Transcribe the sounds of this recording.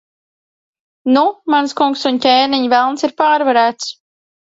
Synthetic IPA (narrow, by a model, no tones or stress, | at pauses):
numanskuŋksuncʲeːniɲvɛlˠnsiɾpaːɾvaɾæːt̪s